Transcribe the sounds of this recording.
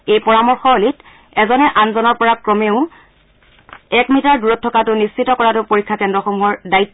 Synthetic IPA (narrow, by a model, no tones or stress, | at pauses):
ejpɔɹamɔɹxɔolit | ɛzɔnɛʔanzɔnɔɹpɔɹakɹɔmeʊ̃ | ɛkmitaɹduɹɔtʰːɔkatʊnisːitɔkɔɹatʊpoɹikʰːakɛndɹɔxomuɦɔɹdaitː